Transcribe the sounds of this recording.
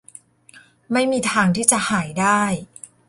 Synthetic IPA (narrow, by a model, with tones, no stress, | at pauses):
ma˥˩jmiː˧t̪ʰaː˧ŋt̪ʰiː˥˩t͡ɕa˨˩ʔhaː˩˦jdaː˥˩j